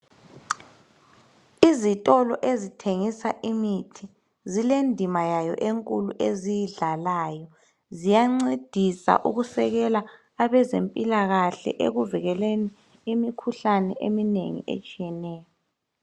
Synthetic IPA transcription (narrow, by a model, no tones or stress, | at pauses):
izitʼɔlɔʔezitʰeŋisaʔimitʰi | zilendʱimajajɔ̰ʔeŋkʼuluʔezijiɮalaːjɔ | zijaŋ͡ǀed̥ʱisa̰ʔuɣusɛɣɛlaː | βɛzempʼilaɣaɬɛ̰ʔḛɣuviɣɛleni | imikʰuɬanɛʔeminḛŋḭḛt͡ʃʼijɛnɛːjɔ